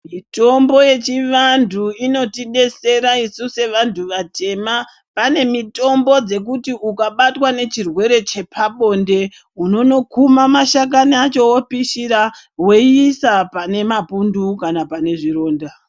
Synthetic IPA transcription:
mito̞mbo̞je̞t͡ʃiʋantʰuino̞tiɗe̞se̞ɾaisuse̞ʋantʰuʋate̞ma | pane̞mito̞mbo̞d͡ze̞k̬utiukaɓatwane̞t͡ʃirwe̞ɾe̞t͡ʃe̞pʰaɓo̞nde̞ | uno̞no̞kumamaʃak̬anat͡ʃo̞wopiʃiɾa | we̞iːsapane̞mapundukanapane̞ʐiro̞ːnda

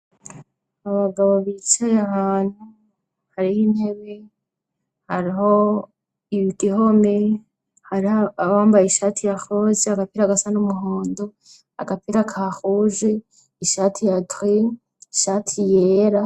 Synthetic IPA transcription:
aβaɡaβoβit͡ʃajahaːn̥hu | haɾihin̥he̞βe̞ | haɾiɦo̞ | iβiɡiho̞me̞ | haɾiaaβaːmbajiʃaːtʰijaxozeaɡapiɾaɡasanumuɦoːndo | a̰ɡapiɾakʰaxuʒe | iʃatʰijatwi | iʃatʰijeːɾa

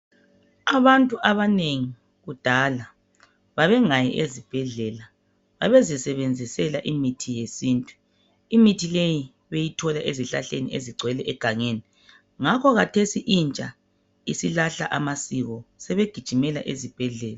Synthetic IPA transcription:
aβantʼuʔaβaneŋi | ɣud̥ʱala | βaβɛŋajɛ̰ʔezib̥ʱɛɮɛːla | βaβezisɛβend͡zʱisɛlaʔimitʰijesiːntʼu | imitʰileji | βejitʰɔlaʔeziɬa̰ɬenḭeziɡ͡ǀʱwɛlɛʔɛɡ̥ʱaŋeːni | ŋakʰɔɣatʰesiʔint͡ʃʼa | isilaɬa̰ʔamasiɣɔsɛβeɡ̥ʱid̥ʒ̥ʱimɛla̰ʔezib̥ʱɛɮɛːla

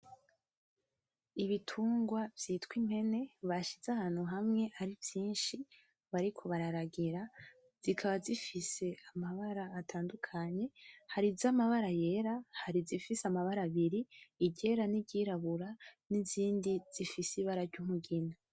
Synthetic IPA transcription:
iβitʰuːŋɡwavjiːtwimhe̞ne̞βaʃiz̥ahaːn̥huɦamŋe̞ʔaɾivjiːnʃi | βaɾikʰo̞βaɾaɾaɡiɾa | z̥ikʰaβazifise̞amaβaɾaːtʰaːndukʰaɲe̞haɾizamaβaɾaje̞ɾahaɾizifiseamaβaɾaβiɾiːɟe̞ːɾaniɟiːɾaβuɾaniziːndiz̥ifisiβaɾaɾɟumuɡina

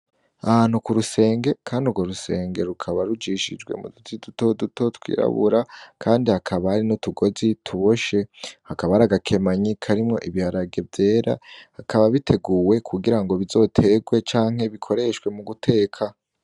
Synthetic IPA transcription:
aanukuɾuse̞ːŋɡe̞kʰaːndiuɡoɾuse̞ːŋɡe̞ɾukʰaβaɾud͡ʒiʃid͡ʒɡwe̞̰mṵdutʰiduto̞duto̞tkwḭːɾa̰βṵɾakʰaːndihakʰaβahaɾinutuɡo̞zitʰuβo̞ʃe̞hakaβaaɾaɡakʰe̞maɲikʰaɾimŋo̞̰ʔiβihaɾaɡe̞vje̞ːɾa̰hakʰaβaβitʰe̞ɡuwe̞kʰuɡiɾaŋɡo̞βizo̞ːtʰe̞ɡwe̞t͡ʃaːŋ̥e̞βikʰo̞ɾe̞ʃwe̞muɡutʰe̞ːkʰa

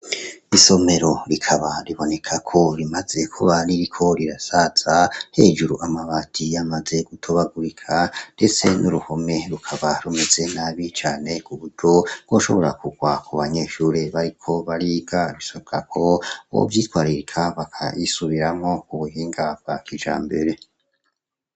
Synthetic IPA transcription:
iso̞me̞ɾo̞ɾikʰaβaɾiβo̞ne̞kʰakʰo̞ɾimaze̞kʰuβaɾiɾikʰo̞ɾiɾasaz̥ahe̞ːd͡ʒuɾuʔamaβatʰijamaze̞ɡ̥utʰo̞βaɡuɾikʰande̞t͡se̞nʔuɾuho̞me̞ɾukʰaβaɾume̞ze̞naβit͡ʃaːne̞kuβuɾɟo̞ɾɡ̥o̞ːʃo̞̰βo̞ɾakuɡ̥wakʰoβaɲe̞ʃuɾeβaɾikʰo̞βaɾiːɡaβisoβɡa̰kʰo̞o̰vjiːtwaɾiɾikʰaβakʰa̰jisuβiɾamo̞kuβuɦiːŋɡab̚ɡ̥akid͡ʒa̰ːmbeɾe̞

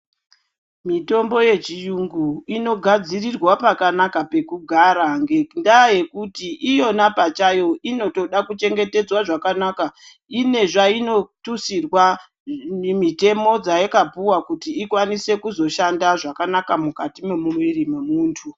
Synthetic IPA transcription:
mito̞mbo̞je̞t͡ʃijuŋɡuino̞ɡʱad͡zirirwapakanakape̞kuɡʱaɾaŋɡendaje̞kutiʔijo̞napat͡ʃajo̞ʔino̞to̞ɗakut͡ʃe̞ŋɡe̞te̞d͡zwaʐakanaka | ine̞ʐaino̞tusirwa | nemite̞mo̞d͡zajakapuwakutiːkwanise̞kuzo̞ʃandaʐakanakamukatimemumwirimemuːntʰu

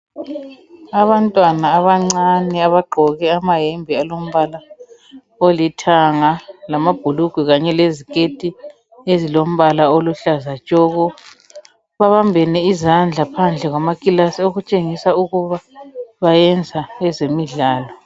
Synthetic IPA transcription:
aβantʼwanaːβaŋ͡ǀanɛaβaɡ͡ǃʱɔɣɛamaɦembʱialom̩βala | olitʰaŋalamab̥ʱuluɡ̥ʱwuɣaɲɛlezikʼetʼi | ezilom̩βalaoluɬazḁt͡ʃʼɔɣɔ | βaβambʱɛnɛizand͡ɮʱapʰand͡ɮʱɛɣwamakʼilasioɣut͡ʃʼeŋisauɣuβaβajɛnd͡zʱaɛzemiɮaːlɔ

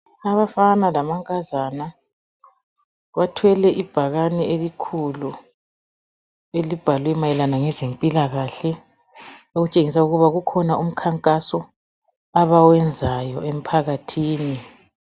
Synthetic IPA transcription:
aβafanalamaŋkʼazaːna | βatʰwɛlɛʔib̥ʱaɣanɛelikʰulu | elib̥ʱalwɛmajɛlanaŋɛzempʼilaɣaɬɛ | oɣut͡ʃʼeŋis̬auɣuβaɣukʰɔnaʔum̩kʰaŋkʼasɔ | aβawɛnd͡zʱajɔʔem̩pʰaɣatʰiːni

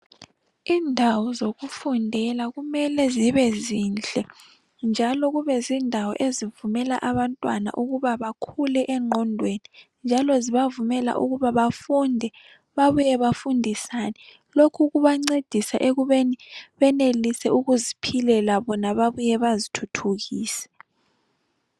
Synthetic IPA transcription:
iːndʱawɔzoɣufundʱɛlaɣumɛlɛziβɛziːnt͡ɬʼɛ | nd͡ʒʱalɔɣuβɛziːndʱawɔ̰ʔezivumɛla̰ʔaβantʼwana̰ʔuɣuβaβakʰulɛʔɛŋ͡ǃʱɔndʱweni | nd͡ʒʱalɔziβavumɛla̰ʔṵɣuβaβafundʱɛ | βaβujɛβafundʱisanɛ | lokʰuɣuβaŋ͡ǀed̥ʱisaʔeɣuβeniβɛnelisɛuɣuzipʰilɛlaβɔnaβaβujɛβazitʰutʰuɣiːsɛ̥

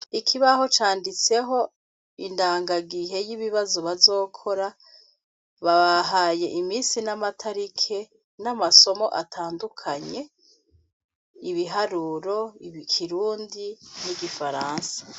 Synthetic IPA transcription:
ikʰiβaho̞t͡ʃaːndit͡se̞ɦo̞ | indaːŋɡaɡiɦe̞jiβiβazoβazo̞ːkʰo̞ɾa | βaβaɦaːje̞ʔimiːsinamatʰaɾikʰe̞ | namaso̞mo̞̰ʔatʰaːndukʰaɲe̞ | iβiɦaɾuːɾo̞iβikʰiɾuːndiniɡifaɾaːnsḁ

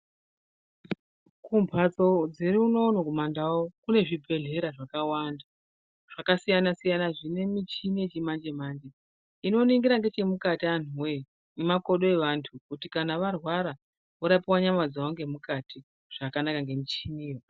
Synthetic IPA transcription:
kumpʰat͡so̞d͡ziɾiuno̞ːnokumandawokune̞ʐibʱe̞ɮe̞ɾaʐakawanda | ʐ̥akasijanasijanaʐine̞mit͡ʃiniet͡ʃemand͡ʒe̞maːnd͡ʒe | ino̞niŋɡiɾaŋɡe̞t͡ʃe̞mukatian̤uwe̞ | nemako̞ɗo̞e̞ʋantʰukutikanaʋarwaɾa | oɾapiwaɲamwad͡zaoŋɡe̞mukatʰi | ʐ̥akanakaŋɡe̞mit͡ʃinijo

